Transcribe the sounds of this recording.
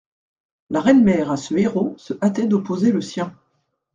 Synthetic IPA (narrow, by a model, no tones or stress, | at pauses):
laʁɛnmɛʁasəeʁosəʔat̪ɛd̪ɔpozeləsjɛ̃